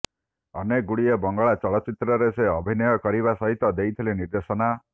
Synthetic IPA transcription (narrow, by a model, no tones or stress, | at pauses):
ɔneɡuɽiebɔŋɡɔɭat͡ʃɔɭɔt͡ʃit̪ɾɔɾeseɔbʱinɔjɔkɔɾiβasɔɦit̪ɔd̪ejt̪ʰileniɾd̪esɔna